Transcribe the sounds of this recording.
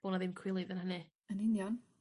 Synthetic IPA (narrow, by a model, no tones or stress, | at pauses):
b̥oːnaðɪmkʰw̥ɪlˠiðənhənɪ | ənɪnjan